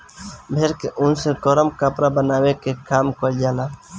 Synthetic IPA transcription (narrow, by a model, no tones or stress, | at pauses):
bʱeːɾkeʔʊnsekoɾəmkəpɾabənaːwekekaːmkold͡ʒaːlaː